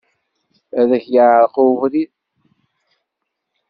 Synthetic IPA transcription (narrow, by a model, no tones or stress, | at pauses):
æðæçjəʕɾquvɾið